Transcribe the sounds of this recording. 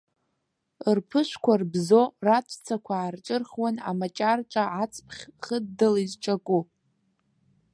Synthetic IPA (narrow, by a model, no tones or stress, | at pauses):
rpʰɨʃʷkʷʰarbzorat͡ʃʷʰt͡sʰakʷʰaːrt͡ʃʼɨrχwana̰mat͡ʃʼart͡ʃʼaʕat͡sʰʼpʰχʲχədːalizt͡ʃʰakʷʼu